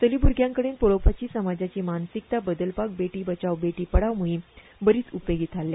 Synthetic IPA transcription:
t̪əlibuɾɡjãŋkəɽeːnpoɭopʰat͡ɕiːsəmad͡ʑat͡ɕiːmansik̚t̪abəd̪əlpak̚beʈiːbət͡ɕawbeʈiːpəɽaʋmuɦi | bəɾiːt͡supoɡit̪ʰalːja

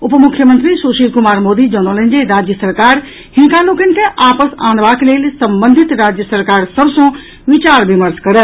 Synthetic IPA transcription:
upmukʰjəmə̃nt̪ɾisoʃilkumaːɾmod̪id͡ʒɔnolə̃nd͡ʒeɾad͡ʒjəsəɾkaɾ | hinkãlokənkeʔapəsã̰nbakelelsə̃mbə̃nd̪ʱit̪ɾad͡ʒjəsəɾkaɾsəbsə̃ | ʋit͡ʃaɾbiməɾskəɾət̪

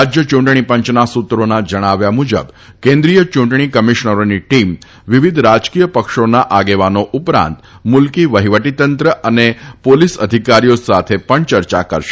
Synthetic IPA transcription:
ad͡ʒjət͡ʃuɳʈɳ̃ipəɲt͡ʃnasut̪ɾonad͡ʒəɽ̃aʋjamud͡ʒə̰b | kẽnd̪ɾijət͡ʃuɳʈɳ̃ikəmiʃɳəɾoniʈim | ʋiʋid̪ʱɾad͡ʒkijəpəkʃonaʔaɡeʋanoʔupɾã̰nt̪mulkiʋəɦiʋəʈit̪ənt̪ɾəʔənepolisəd̪ʱikaɾijosat̪ʰepəɳt͡ʃəɾt͡ʃakəɾʃe̥

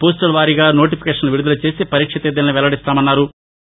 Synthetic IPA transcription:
poːsʈɐlʋaːɾiɡaːno̞ːʈ̬ipʰi̥keːʂɐnluʋiɾud̪ɐlut͡ʃe̞ːseːpɐɾiːkʂɐt̪eːd̪ɐlɐniʋɛlɐɽist̪aːmɐnːaːɾu

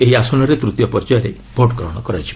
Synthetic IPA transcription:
eɦiasɔnɔɾet̪ɾut̪jɔpɔɾd͡ʒajɔɾe | bʱoʈkɾɔɽ̃ɔkɔɾajt͡ʃʰi̥

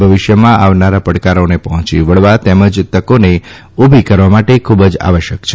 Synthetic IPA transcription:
bʱəʋɪʃjəmãaʋnaɾapəɽkaɾonepəɦɔ̃t͡ʃḭʋəɭʋat̪ɛməd͡ʒt̪əkone | ubʱikəɾʋamaʈekʰubəd͡ʒa̰ʋəʃjəkt͡ʃʰe

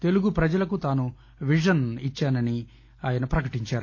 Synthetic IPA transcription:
t̪e̞luɡupɾɐd͡ʒɐlɐkut̪aːnu | ʋiʂɐnit͡ʃːaːnɐni | aːjɐnɐpɾɐkɐʈiɲt͡ʃaːɾu

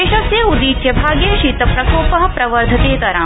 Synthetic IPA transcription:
eːʃɐkseːud̪iːt͡ʃjɐbʱaːɡjɐʃit̪ɐpɾɐkoːpɐɦɐ̆pɾɐʋɐɾd̪ʱɐt̪eːkɐɾãː

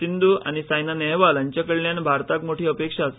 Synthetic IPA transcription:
ind̪uːa̰nisajnanɛɦʋalaɲt͡ɕakəɭljanbʱaɾt̪akmoʈʰiːəpekʂaːs

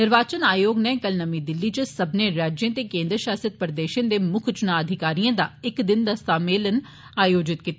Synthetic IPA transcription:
nɪɾʋaːt͡ʃənaːjoːɡnɛ̃ːkəlnəmĩːd̪ɪlːiːt͡ʃəsəbnẽːɾaːd͡ʒjẽːt̪eːkẽːnd̪ɾəʃaːsət̪̚pəɾd̪eːʃə̃nd̪eːmʊkʰt͡ʃʊnaːəd̪ʱɪkaːɾijãːd̪aːɪkd̪ɪnd̪assaːmeːlən | aːjoːd͡ʒɪt̪kit̪

